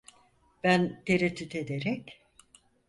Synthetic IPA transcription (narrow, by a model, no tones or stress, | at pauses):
b̥ænt̪ʰeɾet̪ʰːyt̪ʰe̞d̪eɾɛc